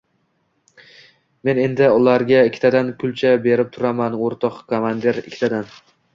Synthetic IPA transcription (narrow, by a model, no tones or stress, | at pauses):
me̞ne̞nd̪ɪʊlaɾɡʲaɪkʲʰːt̪ʰad̪ankʰʊlˠt͡ʃʰabe̞ɾɪp̚t̪ʰʊɾamanoɾt̪ʰɒqkʰomand̪eɾɪ̰kʲʰːɪt̪ʰad̪an